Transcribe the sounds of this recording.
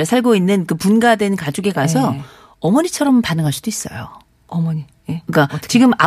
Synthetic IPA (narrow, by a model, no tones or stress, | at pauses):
sʰaɭɡoinːɯnkɯpunɡadwe̞nkad͡ʑuɡe̞kasʰʌ | ʌmʌɲit͡ɕʰʌɾʌmpanɯŋɦaɭs͈ud̥ois͈ʌ̰jo̰ | m | ɯk͈at͡ɕiɡɯma̰